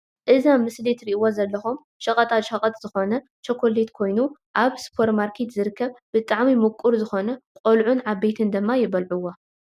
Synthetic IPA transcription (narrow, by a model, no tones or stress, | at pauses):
ʔɨzamːɨslet̪ɾiʔwozɐlːɐxom | ʃɐkʼɐt̪ʼat̪ʃɐkʼɐt̪ʼz̥ɨxo̞nɐ | t͡ʃʰokʰo̞let̪kʰo̞jnuʔaβspʰo̞ɾt̪maɾkʰe̞t̪zɨɾɨkʰːɐβbɨt̪ʼaʕmimukʼuɾzɨxo̞nɐkʼolʕunʕaβbet̪ʰɨnd̪ɨmːajɪβɐlʕuwːo